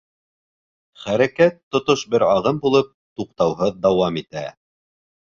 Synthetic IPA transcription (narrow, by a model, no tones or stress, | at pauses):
χæɾækæt̪ːŏt̪oʃbɘɾɑʁɤmbulˠɤp̚t̪uq̚t̪ɑwɦɤðd̪ɑwɑmit̪æ